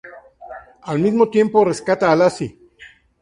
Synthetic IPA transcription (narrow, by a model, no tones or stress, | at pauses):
almizmot̪je̞mporeskat̪aːlasi